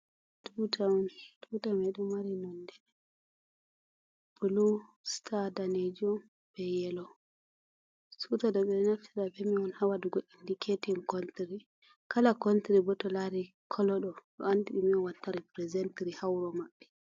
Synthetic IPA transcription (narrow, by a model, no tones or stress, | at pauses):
dutʰaɔndutamɛɗɔmaɾinɔndɛ | bulustʰadaned͡ʒum | b̥ɛjɛlɔ | sutadɔɓɛnaftʰidabɛmiɔnhawaduɡoɗːindikʰetimkɔntɾi | kalakɔntɾibɔtɔlaɾi | kʰɔlɔɗɔɗɔ̰andiɗimiɔwatːaɾipɾɛzɛntɾihawɾɔmaɓːɛ